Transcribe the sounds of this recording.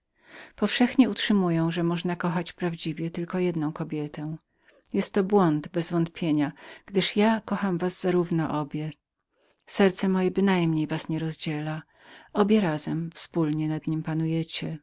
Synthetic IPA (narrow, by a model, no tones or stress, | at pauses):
pɔfʂɛxɲɛutʂɘmujɔ̃w̃ʐɛmɔʐnakɔxat͡ɕpɾavd͡ʑivʲjɛt̪ɘlkɔjɛd̪nɔ̃w̃kɔbʲjɛt̪ɛ̃ | jɛst̪ːɔbwɔnd̪bɛzvɔnt̪pʲjeɲaɡ̥d̪ɘʂjakɔxamvazzaɾuvnɔ̰ʔɔbʲjɛ | sɛɾt̪sɛmɔjɛbɘnajmɲejvasɲɛɾɔzd͡ʑela | ʔɔbʲjɛɾazɛmfspulɲɛnad̪ɲimpanujɛt͡ɕɛ